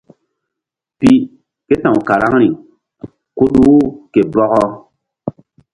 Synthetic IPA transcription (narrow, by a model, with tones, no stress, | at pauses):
pi˦ | ke˦tã˨wka˨ɾa˦ŋɾi˨ | ku˦ɗuː˦ke˨bɔ˦ɣɔ˦